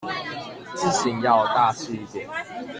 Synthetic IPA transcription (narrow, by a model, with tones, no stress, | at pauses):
t͡sɹ̩˥˨ɕi˨˦ŋjɑ˥˧ʊt̪a˥˧˨ʂ̩˥˧i˥˩t̪jɛ˨˩˦n